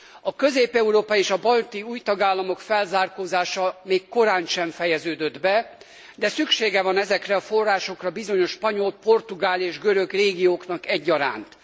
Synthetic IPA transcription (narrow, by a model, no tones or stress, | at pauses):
ɒkøzeːpɛuɾoːpɒeːʃɒbɒlt̪iuːjt̪ɒɡaːlːɒmo̞kfɛlzaːrkoːzaːʃɒmeːkːo̞ɾaːnʃɛɱfɛjɛzøːd̪ø̞d̪bɛ | d̪ɛsykʃeːɡɛvɒnɛzɛkrɛɒfo̞rːaːʃo̞krɒbizo̞ɲo̞ʃpɒɲo̞lpo̞rt̪uɡaːleːʒɡøɾøɡreːɡijoːknɒkɛɟːɒɾa̰ːnt̪